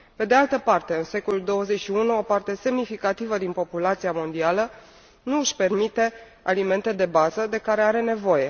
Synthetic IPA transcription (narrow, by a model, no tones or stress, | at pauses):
pe̞d̪e̞alt̪əpart̪e̞ɨnse̞koluld̪o̞wəze̞ʃiunuo̞part̪e̞se̞mnifikat̪ivəd̪inpo̞pulat̪siamo̞nd̪ialə | nuɨʃpe̞rmit̪e̞ | a̰lime̞nt̪e̞d̪e̞bazəd̪e̞kaɾe̞aɾe̞ne̞vo̞je̞